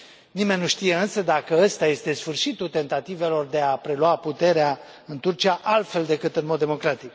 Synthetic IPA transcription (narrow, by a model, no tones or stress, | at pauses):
nime̞nʲːuʃt̪ije̞ɨnsəd̪akəəst̪aje̞st̪e̞sfɨrʃit̪ut̪e̞nt̪at̪ive̞lo̞rd̪e̞apɾe̞luaput̪e̞ɾea | ɨnt̪urt͡ʃiaʔalt̪fe̞ld̪e̞kɨt̪ɨnmod̪ːe̞mo̞kɾat̪ik